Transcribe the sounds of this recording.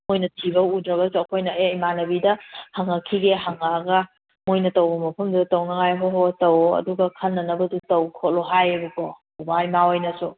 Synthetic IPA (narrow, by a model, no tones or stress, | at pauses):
mojnɐtʰibɐudɾɐɡɐsuɐkʰojnɐejmanɐbidɐhaŋɐkʰːiɡeɦaŋaːɡɐ | mojnɐtɐwbɐmɐpʰɐmdutɐwnɐŋajɦoɦotɐwɐ̰duɡɐkʰɐnːɐnɐbɐdutɐwkʰotloɦajɐbikʰɔ | obajmawajnɐsu